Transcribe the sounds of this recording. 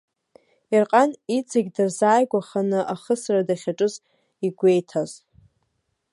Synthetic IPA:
irqʼanit͡sʼʰaɡʲdɨrzaːjɡʷaχanɨʔaχəsradaχʲaʈ͡ʂʼɨz | iɡʷe̞jtʰaz̥

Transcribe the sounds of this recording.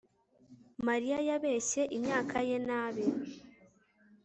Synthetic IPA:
maɾijajaβeːʃe̞ʔimɲaːkʰaje̞naːβe

